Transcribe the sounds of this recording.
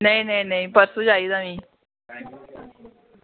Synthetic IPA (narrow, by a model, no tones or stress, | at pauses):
nəĩnəĩnəĩpəɾsud͡ʒaːiːd̪amĩː